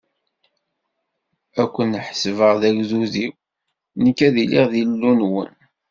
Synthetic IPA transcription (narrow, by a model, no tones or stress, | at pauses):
ækʷːənħsvəʁðæʝzuðiw | nəkːæðilḭʁðilːunwə̰n